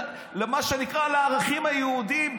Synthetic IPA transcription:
lemaʃenikʁaleaʁaχimajeud̪im

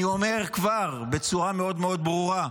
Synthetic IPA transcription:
io̞me̞ʁkvaʁbet͡suʁameo̞d̪meo̞d̪̚bʁuʁa

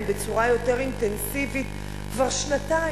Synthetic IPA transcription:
mbe̞t͡suʁajo̞te̞ʁint̪ensivit̪ | kvaʁʃnata

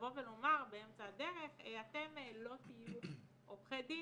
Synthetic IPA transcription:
vo̞velomaʁbeemt͡saad̪e̞ʁe̞χeat̪e̞melo̞t̪iju | oχedi

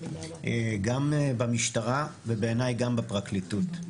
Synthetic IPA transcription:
eɡambamiʃtaʁavebe̞ːnajɡambapʁaklitut

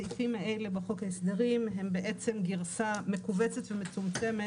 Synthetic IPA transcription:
ifimhaejlebaχo̞kaesd̪eʁimɦe̞mbeʔe̞t͡se̞mɡiʁsame̞kuvet͡set̪vemet͡sumt͡se̞me

